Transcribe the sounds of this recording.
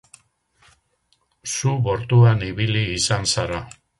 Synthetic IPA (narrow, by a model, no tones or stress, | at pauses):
suβo̞ɾt̪uaniβiliːsansaɾa